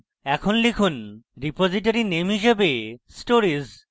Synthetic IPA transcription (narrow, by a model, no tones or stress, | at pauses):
ɛkʰonlikʰunɾipod͡ʑiʈ̬aɾinemɦiʃebesʈoɾiz